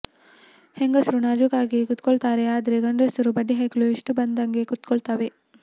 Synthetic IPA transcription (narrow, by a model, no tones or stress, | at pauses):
heŋɡɐsɾunaːd͡ʒukaːɡikut̪koɭt̪aːɾeaːd̪ɐɾeɡɐɳɖɐsɐɾubɐɖːiɦɐklueʂʈubɐnd̪ɐŋɡekut̪koɭt̪aːʋe